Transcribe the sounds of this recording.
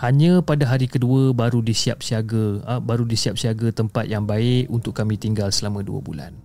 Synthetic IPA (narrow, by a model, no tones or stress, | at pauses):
haɲə̃padaɦaɾikəduəbaɾudisiap̚siaɡəbaɾudisiap̚siaɡət̪əmpat̪̚jaŋbaɪʔunt̪ʊkːamĩt̪iŋɡalsəlamãdṵə̰bṵla̰n